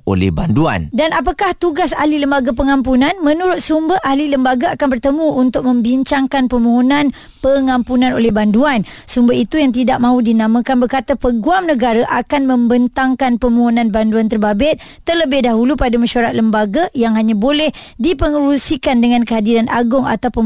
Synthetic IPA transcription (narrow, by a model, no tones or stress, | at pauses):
o̰lɛ̰hbandua̰ndanap̬akaht̪uɡasa̰hliləmbaɡapəŋampunãnmə̃nuɾʊt̪̚sumbaʔahliləmbaɡaakanbərt̪əmũunt̪ʊk̚mə̃mbiɲt͡ʃaŋkanpəmuɦunãn | pəŋampunãnolɛhbanduansumbait̪ujaŋt̪idaʔ̚mãudinãmãkanbərkat̪apəɡuamnəɡaɾaʔakanmə̃mbənt̪aŋkanpəmuɦunãnbanduant̪ərbabɪt̪̚ | t̪ːərləbɪhdaɦulupadamaʃuaɾat̪̚ləmbaɡajaŋɦaɲãbolɛhdipəŋuɾusikandəŋãnkəɦadiɾanʔa̰ɡʊŋa̰t̪awpən